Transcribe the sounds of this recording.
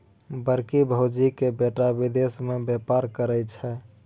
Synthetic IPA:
bəɾkibʱəwd͡ʒikebeʈabid̪esmebepaɾkəɾət͡ʃʰɛ

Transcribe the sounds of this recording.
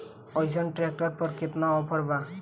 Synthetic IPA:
ɔjzɔnʈɾek̚ʈɔɾpɔɾkit̪naɔpʰɔɾba

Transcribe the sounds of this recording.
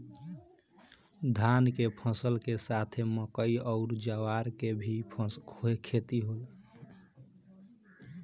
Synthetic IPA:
d̪ʱankepʰə̃səlkesat̪ʰeməkəiɔʊɾd͡ʒawaɾkebʱikʰoekʰet̪iɦol

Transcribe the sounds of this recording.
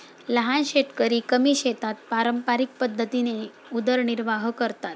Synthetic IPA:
ləɦanɕeʈkəɾiːkəmiɕet̪at̪̚paɾəmpaɾik̚pəd̪ʱːət̪ine | ud̪əɾɳiɾʋaɦkəɾt̪at̪̚

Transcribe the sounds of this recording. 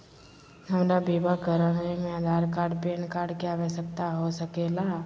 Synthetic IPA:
hɐmɾabiːbaɡʱəɾəɽnemẽəd̪ʱaːɾkaːɾɖpeːnkaːɾɖkijaʋɛsək̚t̪aɦosəkela

